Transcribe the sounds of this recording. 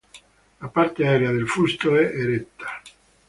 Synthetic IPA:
lapaɾt̪eaɛɾeaðelfust̪oɛʔeɾet̪ːḁ

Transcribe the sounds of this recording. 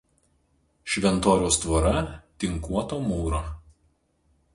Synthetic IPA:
ʃʲʋʲɛnˑt̪oːɾʲoːst̪ʋɐɾɐt̪ʲɪŋkuɔt̪oːmuːɾoː

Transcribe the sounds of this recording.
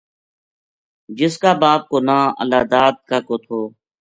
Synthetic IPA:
d͡ʒɪskaːbaːp̚koːnãːə̰laːd̪aːd̪̚kaːkoːt̪ʰoː

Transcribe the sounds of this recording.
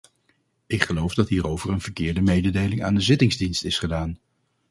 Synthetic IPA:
ɪkχəlowvdɑtɦiːrowvəɹənv̥əɹkɪːɹdəmejdədejlɪŋa̰ːndəzɪtɪŋzdinstɪsχədaːn

